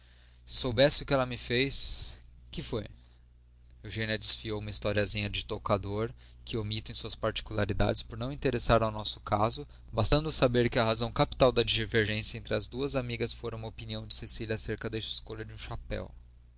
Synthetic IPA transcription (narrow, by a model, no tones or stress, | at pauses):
sɪ̥sowbɛsɪʊkɪɛlɐmɪfejs | kɪfoj | ewʒẽniɐd͡ʒɪsfiowũmɐist̪ɔɾiɐzĩɲɐd͡ʒɪt̪okad̪oɾ | kʰɪomit̪ʊẽsuɐspaɾt͡ʃi̥kulaɾid̪a̰d͡ʒɪspoɾnɐ̃w̃ĩt̪eɾesaɾawnɔsʊ̥kʰazʊ | bast̪ɐ̃nd̪ʊsabeɾkɪɐhazɐ̃w̃kapi̥t̪awd̪ɐd͡ʒiʒveɾʒẽsjɐẽnt̪ɾɪɐzd̪uɐzamiɡɐsfoɾɐ̃ũmɐopiniɐ̃w̃d͡ʒɪsesilʲɐaseɾkɐd̪ɛsɪ̥skoʎɐd͡ʒɪũʃapɛ̰w